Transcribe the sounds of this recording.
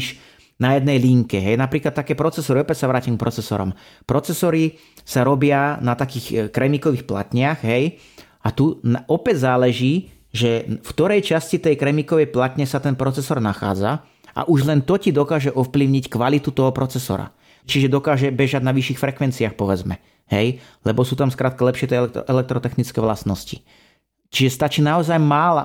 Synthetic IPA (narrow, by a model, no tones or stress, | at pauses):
ʃ | najɛd̪nɛjliŋkɛɦɛjnapɾiːklat̪ːakɛːpɾɔt͡sɛsɔɾiɔpɛcsaʋɾaːcimk̚pɾɔt͡sɛsɔ̰ɾɔ̰m | pɾɔt͡sɛsɔɾi | saɾɔbɪanat̪akiːxkɾɛmikɔʋixpla̰t̪ɲɪaɣɦɛj | at̪unɔpɛɟzaːlɛʒiː | ʒɛfkt̪ɔɾɛjt͡ʃascit̪ɛjkɾɛmikɔʋɛjplat̪ɲɛsat̪ɛnpɾɔt͡sɛsɔɾnaxa̰ːd͡za | ʔa̰ʔuʒlɛnt̪ɔcid̪ɔkaːʒɛʔɔfpliʊɲickʋalit̪ut̪ɔɦɔpɾɔt͡sɛsɔ̰ɾa̰ | t͡ʃiʒɛd̪ɔkaːʒɛbɛʒaɟnaʋiʃiːxfɾɛkʋɛnt͡siaxpɔʋɛd͡zmɛ̰ | ɦɛj | lɛbɔsuːt̪amskɾaːt̪̚kalɛpʃɪɛt̪ɛʔɛlɛk̚t̪ɾɔt̪ɛxnit͡skɛʋlasnɔsci | t͡ʃiʒɛst̪at͡ʃiːnaɔzajmaːla̰